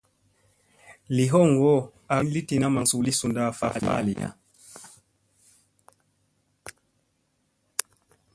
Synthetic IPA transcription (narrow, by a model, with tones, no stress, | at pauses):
li˨ɦɔ˦˨ŋ˨ɡɔ˦ | a˨˦n˦li˦ti˨na˦ma˨ŋsu˨li˦su˨nda˦˨fa̰˦˨lḭ˨a̰˦˨lḭ˨ja̰˦